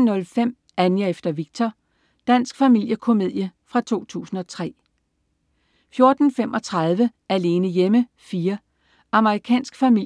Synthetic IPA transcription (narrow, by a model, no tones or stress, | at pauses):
nːɔ̽lfem̰ | ænjəefd̥ɐʋiɡ̥̚t͡sʰɒ | d̥æn̰sɡ̥fæmil̰jəkʰo̝me̝ð̰ˠjəfʁɑ̈t͡sʰo̝̰ːt͡sʰṵːsn̩ɒ̽t͡sʰʁɛ̰ː | fjo̝ɐd̥n̩fem̰ʔɒ̽t͡sʰʁɑ̈ð̞ˠʋə | æle̝ːnəjemə | fiːɐ | ɑ̈məʁikʰɛ̰ːnsɡ̥fæmi